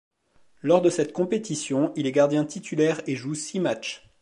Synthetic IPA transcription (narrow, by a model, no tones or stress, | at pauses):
lɔʁd̪əsɛt̪kɔ̃pet̪isjɔ̃ilɛɡaʁd̪jɛ̃t̪ʰit̪ʰylɛʁeʒusimat͡ʃ